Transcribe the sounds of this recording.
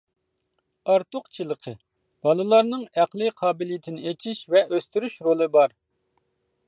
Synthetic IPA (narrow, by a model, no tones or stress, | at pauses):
ɑɾt̪ʊqt͡ʃʰilˠəqʰə | b̥ɑlˠɨlˠɑɾnɨŋæqlˠɨqʰɑːbɪlijit̪ʰɪnɪet͡ʃʰiʃvɛʔøst̪yɾyʃɾolˠɨbɑɾ